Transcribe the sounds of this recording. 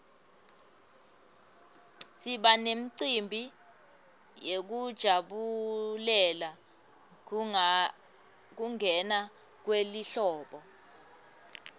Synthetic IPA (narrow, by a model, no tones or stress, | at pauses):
siɓanem̩ǀimbʱi | jek̬ud̥ʒ̥ʱaɓulɛla | k̬uŋɛna | k̬weliɬɔːɓɔ